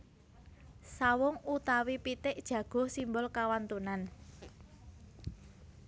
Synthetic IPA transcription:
sawɔŋut̪awipit̪ɪʔd̥ʒ̥ä̤ɡ̥ɔ̤simbʊlkawant̪unan

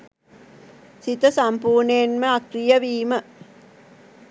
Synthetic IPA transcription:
sit̪əsampuːɾnejenməakɾijəʋiːmə

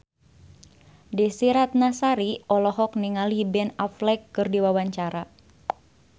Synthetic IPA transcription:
disiɾat̪̚nasaɾiɔlɔɦɔk̚niŋalibɛnaflɛkːɨrdiwawaɲt͡ʃaɾa

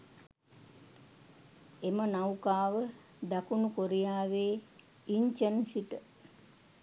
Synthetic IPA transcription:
emənawkaːʋə | d̪akunukoɾijaːʋeː | iɲt͡ʃənsiʈə

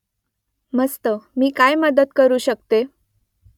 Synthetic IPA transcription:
məst̪əmiːkajməd̪ət̪kəɾuːɕəkt̪e

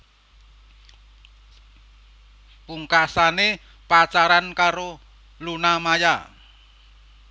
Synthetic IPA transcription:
puŋkasane | pat͡ʃaɾankaɾo | lunamaja

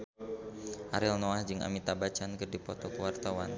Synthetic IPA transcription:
ʔaɾɪlnɔahd͡ʒɨŋa̰mit̪abat͡ʃankɨrdipɔt̪ɔkəwart̪awan

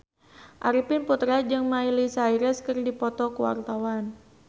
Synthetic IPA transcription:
ʔaɾipɪnput̪ɾad͡ʒɨŋmailisaiɾɛskɨrdipɔt̪ɔkuwa̰rt̪awan

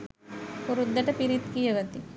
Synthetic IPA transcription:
puɾud̪ːɐʈɐpiɾit̪kijɐɡɐt̪i

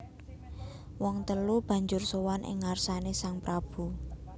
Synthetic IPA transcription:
wɔŋt̪əlub̥a̤ɲd͡ʒʊrsowanʔɪ̰ŋːarsanesaŋpɾab̥u

